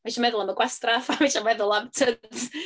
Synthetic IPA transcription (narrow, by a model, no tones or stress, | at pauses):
viʃamɛðʊlˠəməɡwɛstrafaviʃamɛðʊlˠamtʰəns